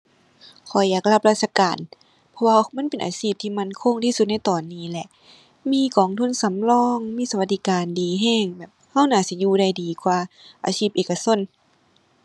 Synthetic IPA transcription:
kʰɔ˨˩jaː˨˩k̚la˧˩p̚la˧t̪̚sʰa˧˩kaː˨˩n | pʰɔ˧waː˧ma˧˥˨npe˨nʔa̰ː˨˩siː˧˩p̚t̪ʰiː˧˨ma˧˥˨nkʰo˧˥˨ŋt̪ʰiː˧su˧t̪̚na˧˥˨jt̪ɔː˨˩nːiː˧˩˨lɛ˧ʔ | miː˧˥˨kɔː˨˩ŋt̪ʰu˧˥˨nsa˨˦mlɔː˧˥˨ŋmiː˧˥˨sa˧wa˧˩t̪̚d̪i˧kaː˨ndiː˨˩ɦɛː˧˥˩ŋbɛː˨˩p̚ha˧˥˩wnaː˧˩˨si˧˦juː˧˨da˧˩jdiː˨˩kwaː˧ʔa̰ː˨siː˧˩p̚ʔeː˨˩ka˧so˧˥˨n

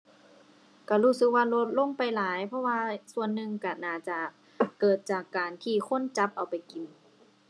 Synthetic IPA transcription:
ka˧˩huː˧˩sɯ˧k̚waː˧˩lo˧˥t̪̚lo˧˥˨ŋpa˨˩jlaː˨˦jpʰɔ˧˥waː˧su˧˨ənːɯ˧ŋka˧˩naː˧˩t͡ɕa˧˩ | kɤː˨˩t̪̚t͡ɕaː˨˩kːaː˨nt̪ʰiː˧˩kʰo˧˥˨nt͡ɕa˧˦˥p̚ʔa˨˩wpa˨˩jki˨˩n

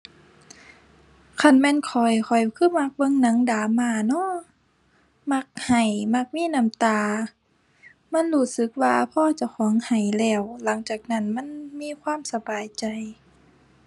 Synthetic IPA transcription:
kʰa˧˥˨nmɛː˧˥˨nkʰɔ˨˩jkʰɔ˨˩jkʰɯː˧˥˨ma˧˥k̚bɤ˧˥˨ŋna˧˦ŋdaː˨˦maː˧˩nɔ˧˥˨ | ma˧˥k̚ha˨˩jma˧˥k̚miː˧˥˨na˧˩˨mt̪aː˧ | ma˧˥˨nhuː˧˩sɯ˧˦k̚waː˧pʰɔː˧˨t͡ɕa˧˩wxʰɔː˨˦ŋha˨˩jlɛː˧˩wla˨˦ŋt͡ɕaː˨˩k̚na˧˥˩nma˧˥˨nmiː˧˥˨kʰwaː˧˥˨msa˧baː˨jt͡ɕa˨j

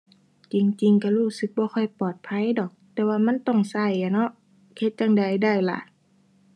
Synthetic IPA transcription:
t͡ɕi˨˧ŋt͡ɕi˧ŋka˧˩huː˧˩sɯ˧˦k̚bɔː˧˦xʰɔ˧˩jpɔː˨˩t̪̚pʰa˧˥˨jdɔː˨˩k̚t̪ɛː˧waː˧ma˧˥˨nt̪ɔ˧˩ŋsa˧˩jːa˧˩nɔ˧˥ʔ | he˧˥t̪̚t͡ɕaː˧ŋda˨˩jda˧˩˨jla̰˧˨ʔ

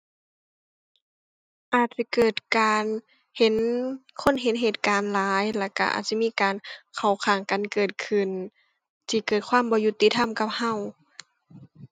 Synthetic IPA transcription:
ʔaː˨˩t̪̚t͡ɕa˧˦kɤː˨˩t̪̚kaː˨˧n | he˨˦nkʰo˧˥˨nɦe˨˦nɦeː˨˩t̪̚kaː˨nlaː˨˦jla˧˩ka̰˧ʔa̰ː˨˩t̪̚t͡ɕa˧˦miː˧˥˨kaː˨nkʰa˨˩wkʰaː˨˩ŋka˨nkɤː˨˩t̪̚kʰɯ˧˩n | sʰi˧˩kɤː˨˩t̪̚kʰwaː˧˥˨mbɔː˧˦ju˧t̪ːi˧t̪ʰa˧˨mka˧˩p̚ha˧˩˨w

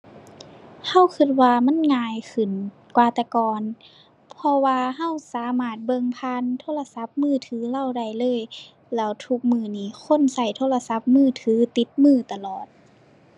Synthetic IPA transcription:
ha˧˩˨wkʰɯ˧˩t̪̚waː˧ma˧˥˨nŋaː˧˩jkʰɯ˨˩n | kwaː˧t̪ɛː˧kɔː˨˩n | pʰɔ˧waː˧ɦa˧˥˨wsaː˨˦maː˧˩t̪̚bɤ˧ŋpʰaː˧˥˨nt̪ʰoː˧˥˨la˧sa˧˦p̚mɯː˧˩t̪ʰɯː˨˦la˧˨wda˧˩jlɤː˧˥˨j | lɛː˧˥˩wt̪ʰu˧˦k̚mɯː˧˩niː˧˩kʰo˧˥˨nsa˧˩jt̪ʰoː˧˥˨la˧sa˧˦p̚mɯː˧˥˩t̪ʰɯː˨˦t̪i˧˦t̪̚mɯː˧˩t̪a˧lɔː˨˩t̪̚

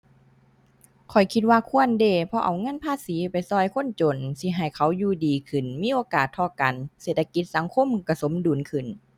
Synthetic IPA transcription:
kʰɔ˨˩jkʰi˧t̪̚waː˧kʰu˧˥˨əndeː˧˩pʰɔ˧ʔa˨˩wŋɤ˧˥˨npʰaː˧˥˨siː˨˦pa˨jsɔː˧˩jkʰo˧˥˨nt͡ɕo˨˩nsi˧˩ɦa˨˩jkʰa˨˦wjuː˧˩diː˨kʰɯ˨˩nmiː˧˥˨ʔoː˨˧˦kaː˨˩t̪ʰːɔː˧˩ka˨nseː˨˩t̪ʰːa˧ki˧˦t̪̚sa˨˦ŋkʰo˧˥˨mka˧˩so˨˦mduː˨˩˨nkʰɯ˧˩n

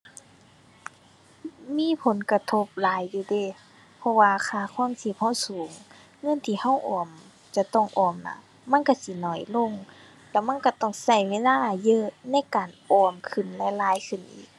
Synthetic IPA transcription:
miː˧˥˨pʰo˨˦nka˧t̪ʰo˧p̚laː˨˦jːuː˧deː˧˩˨ | pʰɔ˧waː˧kʰaː˧˩kʰɔː˧˥˨ŋsi˧˩p̚ha˧˩˨wsuː˨˦ŋː | ɤ˧˥˨nt̪ʰiː˧˩ha˧˥˩wʔɔː˨˩m | t͡ɕa˧t̪ɔ˧˥˩ŋʔɔː˧˩mna̰˧˩ | ma˧˥˨nka˧˨si˧˦nɔ˧˩jlo˧˥˨ŋ | lɛ˧˩ma˧˥˨nka˧˩t̪ɔ˧˩ŋsa˧˩jweː˧˥˨laː˧˥˨ʔjɤ˧˨ʔna˧˥˨jkaː˨nʔɔː˧˩mkʰɯ˨˧˩nlɛ˧˨laː˧˦jkʰɯ˧˩nʔḭː˧˦k̚

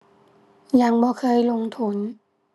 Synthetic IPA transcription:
ja˧˦ŋbɔː˧˦kʰɤː˧˥˨jlo˧ŋt̪ʰu˧˥˨n

